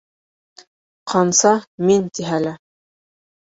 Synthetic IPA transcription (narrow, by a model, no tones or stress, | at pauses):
qʰɑnsɑmint̪iɦælɘ